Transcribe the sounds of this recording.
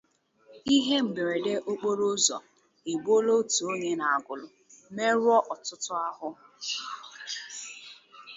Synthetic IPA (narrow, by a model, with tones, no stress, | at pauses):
i˦ɦe˦ŋ͡m̩˨ɡ͡be˨ɾe˨de˦ʔo˦k͡po˦ɾo˦zɔ̰˨ | e˨ɡ͡bo˦lo˦tu˨o˦ɲe˦na˨a˨ɡʊ˨lʊ˨ | me˦ɾwɔ˦ʔɔ˨tʊ˦tʊ˦a˦ɦʊ˦